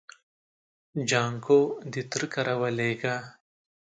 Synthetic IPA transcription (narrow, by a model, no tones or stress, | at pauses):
d͡ʒaːŋkoːd̪it̪ɾkɐɾɐwɐleːɡaː